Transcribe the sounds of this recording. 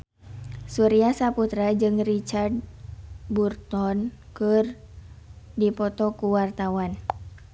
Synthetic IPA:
suɾiasaput̪ɾad͡ʒɨŋrit͡ʃard̚ | burt̪ɔnkɨr | dipɔt̪ɔkuwart̪awan

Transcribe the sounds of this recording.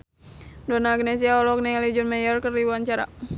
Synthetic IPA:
dɔnaɡnes̬iaɔlɔk̚nɛlid͡ʒɔnmajərkərdiuaɲt͡ʃaɾa̰

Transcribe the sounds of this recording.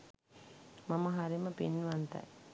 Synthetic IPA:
mɐməɦaɾiməpinːʋant̪ɐ̰j

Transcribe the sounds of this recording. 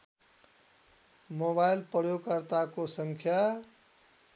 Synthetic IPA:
moβajlpəɾjoɡkʌɾt̪akosʌŋkʰja

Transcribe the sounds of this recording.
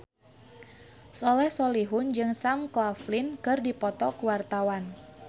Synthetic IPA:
sɔlɛhsɔliɦʊnd͡ʒɨŋsamklaflinkɨrdipɔt̪ɔkuwart̪awan

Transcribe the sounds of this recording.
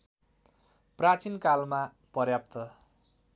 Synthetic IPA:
prat͡sinkalma | pʌrjap̚t̪ʌ

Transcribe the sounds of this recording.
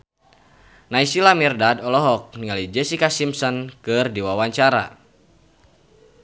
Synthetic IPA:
naisilamirdadɔlɔɦɔk̚niŋalid͡ʒɛsikasimsɔnkɨrdiwawaɲt͡ʃaɾa̰

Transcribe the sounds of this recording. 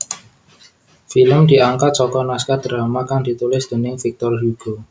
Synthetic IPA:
filəmd̪̥i̤aŋkat̪̚t͡ʃɔkɔnaskad̪̥ɾamakaŋd̪̥i̤t̪ulɪsd̪̥ə̤nɪŋfik̚t̪ɔrɦuɡ̥o

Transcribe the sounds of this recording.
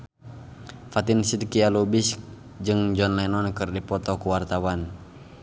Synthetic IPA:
fat̪insidkialubis | d͡ʒɨŋd͡ʒɔnlanɔnkɨrdipɔt̪ɔkuwart̪awan

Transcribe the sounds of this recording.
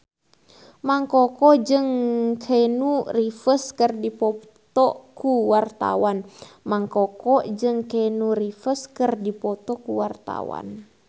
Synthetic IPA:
maŋkɔkɔd͡ʒɨŋkʰenurifəskərdipɔ | t̪ɔkuwart̪a̰wanmaŋkɔkɔd͡ʒɨŋkenurifəskərdipɔt̪ɔkuwart̪a̰wa̰n

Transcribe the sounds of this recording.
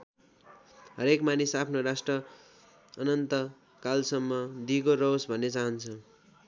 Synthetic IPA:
ɦʌɾekmanisapʰnorasʈrʌ | ʌnʌnt̪ʌ | kalsʌmːʌd̪ikorʌwsbʱʌnːet͡saɦʌnt͡sʰʌ

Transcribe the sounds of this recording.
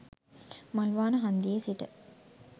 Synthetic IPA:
malʋaːnəɦɐnd̪iesiʈə̰

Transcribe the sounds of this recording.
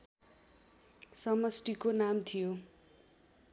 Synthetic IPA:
sʌmʌsʈikonamt̪ʰijo

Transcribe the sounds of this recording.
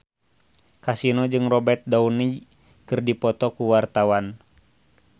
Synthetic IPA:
kasinɔd͡ʒɨŋrɔbɛt̪̚dauni | kɨrdipɔt̪ɔkuwart̪awan

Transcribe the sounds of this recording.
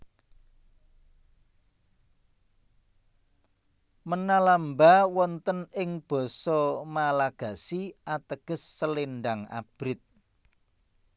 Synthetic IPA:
mənalambawɔnt̪ənɪŋb̥ɔ̤sɔmalaɡ̥ä̤siʔat̪əɡ̥ə̤sːəlenɖaŋa̰b̥ɾɪt̪̚

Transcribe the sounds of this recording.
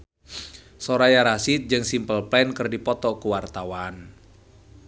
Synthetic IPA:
sɔɾajaɾasit̪̚d͡ʒɨŋsimpəlplɛnkɨrdipɔt̪ɔkuwart̪awan

